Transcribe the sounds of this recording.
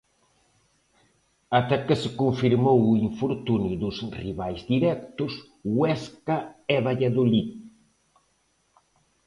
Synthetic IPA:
at̪akesɪkuɱfiɾmowuiɱfoɾt̪unjʊðʊsriβajzd̪iɾɛk̚t̪ʊs | wɛskaɛβaʎaðoli

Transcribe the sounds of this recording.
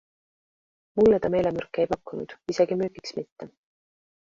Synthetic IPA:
mulːet̪ɑme̞jlemørkːˑeejpɑkːˑunud̪̥iseɡ̥imyːɡiksmit̪ːe̞

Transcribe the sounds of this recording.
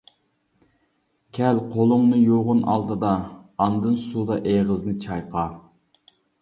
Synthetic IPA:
kʲʰɛlqʰolˠʊŋnɨjoʁʊnʔɑ̰lˠd̪ɨd̪ɑːnd̪ɨnsud̪ɑʔeʁəznɨt͡ʃʰɑjqʰɑ

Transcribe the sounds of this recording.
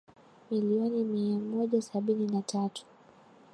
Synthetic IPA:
miliɔnimiamɔʄasaɓininatʰatu̥

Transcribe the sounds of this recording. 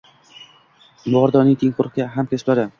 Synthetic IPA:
bʊɒɾd̪ɒnɪŋt̪ʰeŋqʰʊɾqɡʲaɦamkʲeslaɾɪ

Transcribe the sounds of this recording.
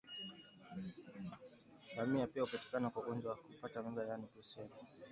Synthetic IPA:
θamiapiaupati̥kanakwauɡɔnd͡ʒwawakupatamaɾajanidusɛni

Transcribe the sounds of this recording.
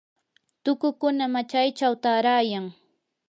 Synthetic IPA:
t̪ʊkʊkʊnamat͡ʃajt͡ʃawt̪aɾajaŋ

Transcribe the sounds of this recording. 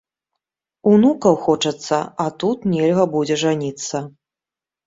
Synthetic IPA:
unukɐwxɔt͡ʂɐt̪sːɐat̪ut̪nʲɛlʲɣɐbud͡zʲɛʐanʲit̪sːɐ

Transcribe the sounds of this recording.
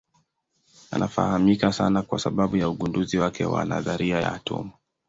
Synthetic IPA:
a̰nʔafa̰hamikasa̰nakwasaɓaɓujauɠunduziwakɛwa̰na̰ðaɾiajaːtʰṵmu

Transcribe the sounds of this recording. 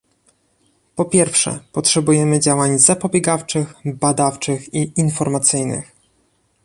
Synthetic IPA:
pɔpʲjɛɾfʂɛ̰pɔtʂɛbujɛmɘd͡ʑawaɲzapɔbʲjɛɡaft͡ʂɘxbad̪aft͡ʂɘxiinfɔɾmat̪sɘjnɘ̰x

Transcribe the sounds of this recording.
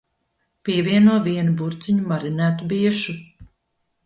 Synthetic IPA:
piɛviɛnuɔviɛnubuɾt̪siɲumaɾinæːt̪ubiɛʃu

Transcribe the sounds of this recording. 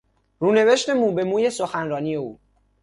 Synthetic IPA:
ruːne̞ve̞ʃt̪emuːbe̞muːje̞soxænɾɒːniːjeuː

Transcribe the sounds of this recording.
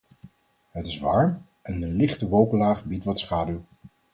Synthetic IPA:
ɦətɪsʋɑ̰ːɹm | ʔɛndəlɪχtəʋowkəlaːχbitʋɑtsχaːdyw

